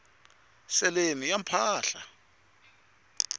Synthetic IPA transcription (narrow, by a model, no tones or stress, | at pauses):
sɛlenijam̩pʰaːɬa